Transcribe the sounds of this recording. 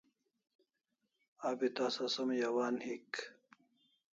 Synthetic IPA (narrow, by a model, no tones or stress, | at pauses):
aːbit̪aːsɐsɐmjɐwaːnhik